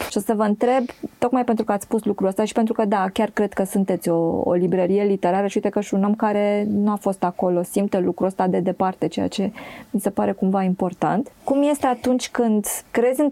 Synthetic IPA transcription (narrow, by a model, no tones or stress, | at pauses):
ʃosəvəɨnt̪ɾe̞bt̪o̞kmajpe̞nt̪ɾukəat̪sspuslukɾuəst̪aʃi̥pe̞nt̪ɾukəd̪akʲarkɾe̞d̪kəsunt̪e̞t̪sʲo̞o̰libɾəɾije̞lit̪e̞ɾaɾəʃiujt̪ekəʃunəmkaɾe̞nuafo̞st̪ako̞lo̞simt̪əlukɾuəst̪ad̪e̞d̪e̞part̪e̞t͡ʃe̞ja̰t͡ʃe̞mise̞paɾe̞kumvaimpo̞rt̪ant̪kumje̞st̪eat̪unt͡ʃʲkɨnd̪kɾe̞d̪zʲɨn